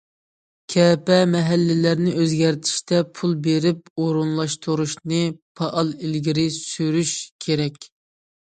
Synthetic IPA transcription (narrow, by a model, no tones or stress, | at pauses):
kʲʰɛpɛmɛɦælːɪlæɾnɪʔøzɡʲɛɾt̪ʰi̥ʃt̪ʰɛpʰulˠbeɾɪp̚oɾunlˠɑʃt̪ʰuɾuʃnɨpʰɑʔɑlˠilɡʲiɾɪsyɾyʃkʲʰeɾɛkʲ